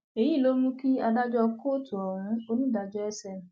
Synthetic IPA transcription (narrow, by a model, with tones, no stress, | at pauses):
e˨ji˦˨lo˨˦mũ˦ki˦a˧da˦d͡ʒɔ˧ko˦˨tu˨ɔ˨hũ˨˦o˦nĩ˦˨da˧d͡ʒɔ˦ɛ˦sɛ˧˨